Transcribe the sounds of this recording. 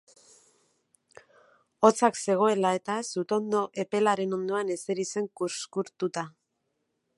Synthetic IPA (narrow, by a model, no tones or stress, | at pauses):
o̞t͡sakse̞ɣ̞o̞e̞lae̞t̪asut̪o̞nd̪o̞ʔe̞pe̞laɾe̞no̞nd̪o̞ane̞se̞ɾit͡se̞ŋkuɾskuɾt̪ut̪a